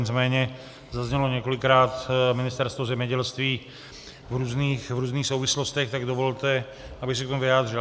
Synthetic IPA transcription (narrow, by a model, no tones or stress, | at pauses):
ɲɪt͡smɛːɲɛ | zazɲɛloɲɛko̞lɪkɾaːt̪mɪnɪst̪ɛɾst̪vozɛmɲɛɟɛlst̪viː | vɾuːzniːxvɾuːzniːxsowvɪslo̞st̪ɛxt̪aɡdovolt̪ɛ | ʔabɪxs̬ɛkt̪omuvɪaːd̪rɪl